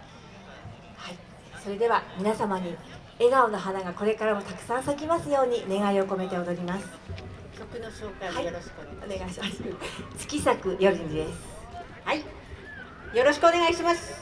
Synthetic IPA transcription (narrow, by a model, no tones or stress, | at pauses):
hai | so̞ɾe̞d̪e̞βamʲinasamaɲ̟i | e̞ɡao̞no̞ɦanaɡako̞ɾe̞kaɾamo̞t̪akɯ̥sãɰ̃sakʲimasɨjo̞ːɲ̟ine̞ɡaio̞ko̞me̞t̪e̞od̪o̞ɾʲimasɨ̥ | kʲokɯ̟noɕoːkaaijɾoɕ | oneɡaiɕimast͡sɨ̥kʲisakɯ̟jo̞ɾʲĩɲd͡ʑid̪e̞sɨ̥ | hai | jo̞ɾo̞ɕi̥kɯone̞ɡaiɕimasɨ̥